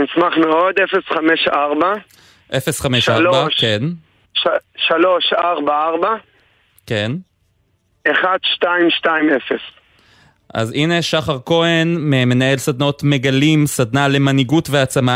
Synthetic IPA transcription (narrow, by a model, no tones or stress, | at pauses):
nismaχmeo̞d̪efesχameʃaʁba | ʔefe̞sχameʃabaʃken | ʃalo̞ʃaʁbaaʁba | ke̞n | eχad̪ʃtaimʃtaimefes | ʔa̰zine̞ʃaχaʁko̞e̞nmeme̞nae̞lsad̪nao̞tme̞ɡalimsad̪nale̞maniɡutveat͡sama